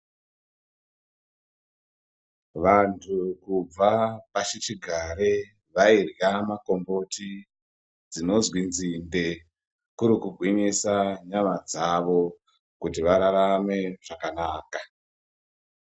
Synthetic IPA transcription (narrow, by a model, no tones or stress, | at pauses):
ʋantʰukub͡vapat͡ʃet͡ʃiɡʱaɾe | ʋairjamako̞mbo̞ti | d͡zino̞zwind͡zinde̞ | kuɾikuɡʱwiɲisaɲamad͡zaʋo̞ | kutiʋaɾaɾame̞ʐ̥akanaːka